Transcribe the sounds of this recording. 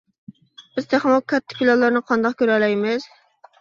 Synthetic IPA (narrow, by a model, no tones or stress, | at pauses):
b̥ɪzt̪ʰeχmokʲʰːɛt̪ʰːɪ̥pʰʲilˠɑlˠːəɾnɨqʰɑnd̪ɑqkʲøɾælɛjmɪz̥